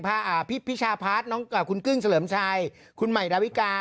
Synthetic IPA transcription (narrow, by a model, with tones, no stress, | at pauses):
pʰaː˧˥˩ʔaː˨˩pʰi˦˥pʰːi˦˥t͡ɕʰaː˧pʰaː˦˥t̪̚nɔː˦˥ŋʔaː˨˩kʰu˧nkɯ˥˩ŋsa˧lɤː˩˦mt͡ɕʰaː˧j | kʰu˧nma˨˩jɾaː˧wi˦˥kaː˧